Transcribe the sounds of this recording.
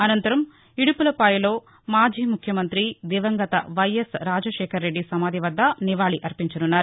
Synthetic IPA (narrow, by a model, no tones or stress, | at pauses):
ɐnɐnt̪ɐɾɐm | iɽipulɐpɐjɐlo̞ː | maːd͡ʒiːmukʰjɐmɐnt̪ɾid̪iːʋɐŋɡɐt̪ɐʋɐjesɾaːd͡ʒɐʃɛːkʰɐɾːe̞ɖːisɐmaːd̪ʱiʋɐd̪ʱːɐniʋaːɭiʔɐɾpiɲt͡ʃɐnunːaːɾu